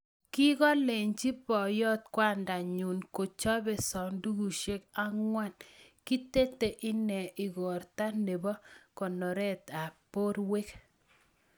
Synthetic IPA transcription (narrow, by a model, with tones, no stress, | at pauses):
ki˦ɣɔ˦le˨ɲt͡ʃi˦pɔ˨jɔ˦t̪̚kwa˦˨nda˨ɲu˨nko˨t͡ʃɔ˦bɛ˨sɔ˨ndu˦ɡu˨ʃe˦ka˦ŋwa˦˨nki˦te˦te˨ʔɪ˦nɛ˨ʔɪ˨ɣɔ˨ɾta˦ne˨bɔ˦kɔ˨nɔ˨ɾɛ˦˨t̪a˨po˦ɾwe˦k